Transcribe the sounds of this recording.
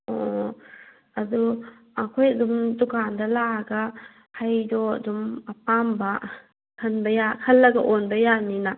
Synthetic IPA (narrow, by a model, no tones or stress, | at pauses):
o | ɐdu | akʰojɐdumdukʰandɐlaɡa | hajdɔ̰dumɐpambɐ | kʰɐnbɐjakʰɐlːɐɡɐʔonbɐjanina